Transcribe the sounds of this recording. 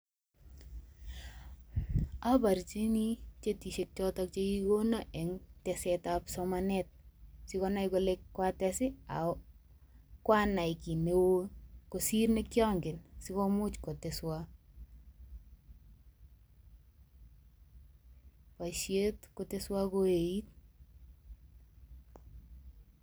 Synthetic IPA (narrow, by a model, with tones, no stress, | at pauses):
a˦ba˨ɾt͡ʃi˦ni˦t͡ʃe˦ti˨ʃe˨k̚t͡ʃɔ˦tɔk̚t͡ʃeki˦ɡo˦naʔɛ˨ŋtɛsɛtapsɔmanɛt̚sɪ˦kɔna˦jkɔ˨lekkːwa˦tɛsɪ˦a̰˨ | kwa˦na˨i˨ki˨ne˦wo˦ko˨si˦rnekjɔ˦ŋɡɪ˨nsi˦ko˦mʊ˦t͡ʃko˨teswa | wa˨ʃe˦tkote˦swa˦ko˦e˨i˦t̚